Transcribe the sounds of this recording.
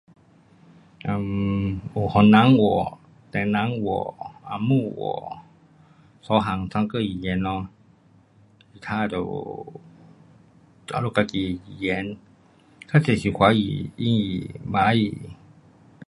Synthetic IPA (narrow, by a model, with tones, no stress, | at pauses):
ʔa˧˨mʔo˨hɔ˨nːa˧˦ŋwɔ̰˨ | t̪ɛ˧˨na˧˦ŋwɔ̰˨˩ʔa˧˨mu˧˨wɔ̰˨˧˩ | sɔ˨˦ɦa˨ŋsa˧˦ŋkɤ˧˨ji˨jɛː˨˦nːɔ˧˦ | si˨˧˨t̪ʰaː˧˥˨dɔ˨ | a̰˧˦lo˧˨ka˧ki˧˩˨ji˨jɛː˨˦n | kʰa˧˥˨se˧˨si˨kʰwa˨˦jḭ˨i˧˦i˨baː˧˦jḭ˨